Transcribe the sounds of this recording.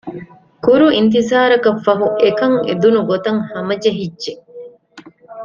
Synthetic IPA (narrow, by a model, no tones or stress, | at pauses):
kuɾuint̪izaːɾɐkɐfːɐɦuʔekɐŋḛd̪unuɡot̪ɐŋhɐmɐd͡ʒɐɦidːʒe